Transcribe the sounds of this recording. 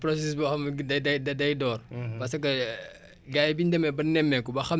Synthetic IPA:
pɾɔssis̬bɐxɐmdɐdɐjdɐdɐjdɔːrbɐsɐkɐ | ɡaːjbindɛmɛbɐnːɛmːɛkubɐxɐm

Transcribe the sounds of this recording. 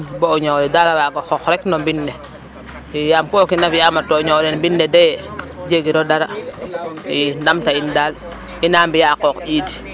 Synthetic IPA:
booɲɔdɛdalawaːkɔxɔxɾɛknɔmbinːɛ | jaːmkokinafjamatɔːɲɔdɛnmbinːdɛdɛ | d͡ʒeɡiɾodaɾa | indamtaindaːl | inambijakɔkɟiːti̥

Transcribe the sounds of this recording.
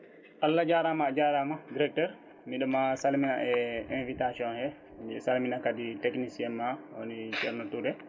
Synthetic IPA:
ʔalːad͡ʒaɾamad͡ʒaɾamadiɾɛk̚tɛɾ | miɗɔmasalminaʔɛinvitasiɔnhɛ | miɗɛsalminakaditeknisjɛmːawo̰nit͡ʃɛɾnɔtuɾɛ

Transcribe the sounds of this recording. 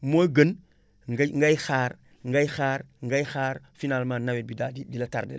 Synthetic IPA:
mojɡən | ɡŋɡajxaːɾ | ŋɡajxaːɾŋɡajxaːɾ | finalmãnawet̚bidadidilata̰ɾdḛ

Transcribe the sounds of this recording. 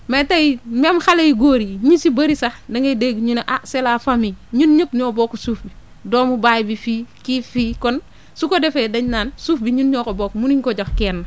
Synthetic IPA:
metɐjmɛmxalɐjiɡoːɾiɲisibɐɾisɐxdɐŋedeɡɲunɐʔasɛlafamiɲunɲəpɲɔːbɔkusuːfbi | dɔːmubaːjbifiːkifiːkɔn | sukodɛfɛdɐɲnaːnsuːfbiɲunɲɔːkobɔkmuniɲkɔɟaxkɛːnːɐ

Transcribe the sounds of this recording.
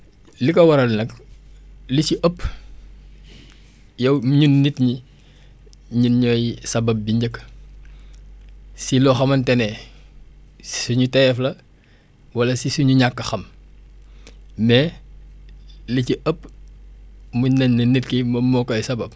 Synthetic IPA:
likɐwɐɾɐlnɐk | liciʔɐpː | jɐwɲunːitɲi | ɲunɲɔjsɐbɐb̚ːiɲɟək | silɔxɐmɐntɛnɛː | ssuɲutɛflɐ | wɐlɐsisuɲuɲakːɐxɐm | mɛ | liciʔəpː | muɲnɛnnɐnitkimɐmɔkːɔjsɐbɐb̚

